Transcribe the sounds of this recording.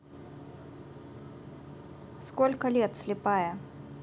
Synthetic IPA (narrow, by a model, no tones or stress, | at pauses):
skɔlʲkɐlʲɛt̪sʲlʲɪpajɐ